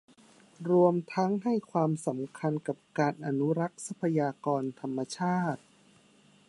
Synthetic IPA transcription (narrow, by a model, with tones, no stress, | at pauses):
ɾu˧əmt̪ʰa˦˥ŋɦa˥˩jkʰwaː˧msa˩˦mkʰa˧nka˨˩p̚kaː˧nʔa˧nu˦˥ɾa˦˥k̚sa˧˦˥pʰa˧jaː˧kɔː˧nt̪ʰa˧mːa˧t͡ɕʰaː˥˩t̪̚